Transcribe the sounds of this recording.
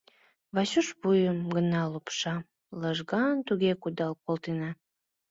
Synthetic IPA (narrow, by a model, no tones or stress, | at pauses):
βɑɕuʃβujəmɡənɑlupʃɑ | ləʒɣɑnt̪uɣekud̪ɑlkolˠt̪enɑ